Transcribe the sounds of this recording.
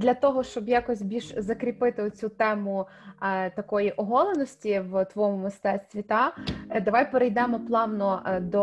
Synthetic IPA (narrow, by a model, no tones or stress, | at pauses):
d̪lʲɐt̪ɔɦɔʃt͡ʃɔbjɑkɔsʲbʲilʲʒzɐkɾʲipɪt̪ɪʊt͡sʲut̪ɛmʊ | t̪ɐkɔjiʔɔɦɔlˠenɔsʲtʲiwt̪ʋɔmʊmɪst̪ɛsʲt̪ʋʲit̪ɑd̪ɐʋɑjpeɾejd̪ɛmɔplˠɑʋnɔd̪ɔ